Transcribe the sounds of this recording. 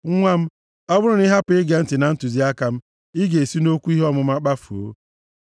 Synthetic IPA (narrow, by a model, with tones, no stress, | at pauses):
ŋʷa˦m̩˦ | ɔ˦bʊ˦ɾʊ˦nɪ˦ɦa˦pʊ˨ɪ˦ɡe˨n̩˦tɪ˨na˨n̩˦tu˨zi˦a˦ka˨m̩˦ | i˦ɡe˨e˨si˦no˦kʷu˦i˦ɦɔ˦mʊ˨m̩˦a˦k͡pa˦fu˨o̰˦